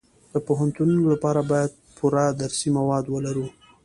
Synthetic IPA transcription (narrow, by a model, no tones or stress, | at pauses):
d̪̥əpoɦant̪ununolapɑɾabɑjad̪̚pʰuɾad̪aɾsimawɑd̪wəlaɾu